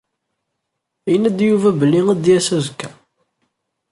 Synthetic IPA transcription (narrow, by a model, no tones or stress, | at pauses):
jənæd̪juvæbəlːiŋæd̪jæsæzkːæ